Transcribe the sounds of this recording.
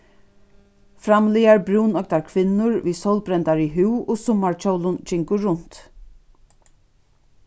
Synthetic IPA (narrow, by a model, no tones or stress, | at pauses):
fɾamlijaɹbɾuːnœk̚t̪aɹkʰʋɪnːʊɹviːsɔwlbɾɛnt̪aɹiɦʉwoːsʊmːaɹt͡ʃowlʊnt͡ʃɪŋkʊːʊnt̪